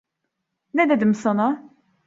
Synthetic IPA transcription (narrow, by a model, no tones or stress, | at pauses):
næd̪æd̪əmsənɑ